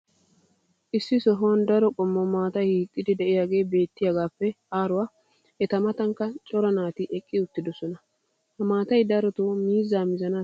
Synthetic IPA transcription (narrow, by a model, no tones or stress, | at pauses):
ʔɪsːɪsɔɦɔwnd̪ɐɾɔkʼɔmːɔmaːt̪ɐjhiːkʼːɪd̪ɪd̪ɛʔɪjaːɡe̞ːbe̞ːt̪ːɪjɐɡaːfːɛ | aːɾʊwaː | ʔɛt̪ɐmɐt̪ɐŋkːɐt͡ʃʼɔɾɐnaːt̪ɪʔɛkʼːɪʊt̪ːɪd̪ɔsɔnɐ | hɐmaːt̪ɐjd̪ɐɾɔt̪oːmiːzːaːmɪzɐna